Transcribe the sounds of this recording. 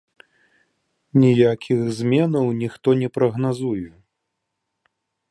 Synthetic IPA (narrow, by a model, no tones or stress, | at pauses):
nʲijakʲʰiɣzʲmʲɛnɐwnʲixt̪ɔnʲɛpɾɐɣnazuju